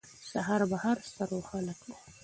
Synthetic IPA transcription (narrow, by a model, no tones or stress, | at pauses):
sahɑɾbahɑɾst̪aɾoxaləkd̪a